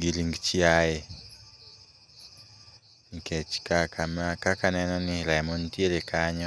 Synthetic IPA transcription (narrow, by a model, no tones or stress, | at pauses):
ɡiliŋɡt͡ʃiajɛ | ŋket͡ʃkakamakakanɛnɔnɪlajmɔntjelekʰaɲɔ